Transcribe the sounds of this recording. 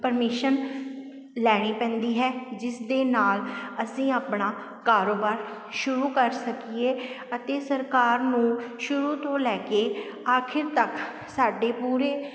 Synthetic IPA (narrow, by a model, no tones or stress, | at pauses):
pəɾmɪːʃən | lɛːɽ̃iːpɛ̃ːnd̪iːɦɛːd͡ʒɪsd̪eːnaːləsĩːaːpɳaː | kaːɾoːbaːɾ | ʃʊɾuːkəɾsəkieː | ət̪eːsəɾkaːɾnũːʃʊɾuːt̪õːlɛːkeː | aːkʰɪɾt̪ək | saːɖeːpuːɾeː